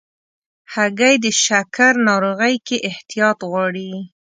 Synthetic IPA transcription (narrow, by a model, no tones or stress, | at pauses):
haɡajd̪əʃakaɾnɑɾoɣəjkeʔɪht̪ijɑt̪ɣwɑɽi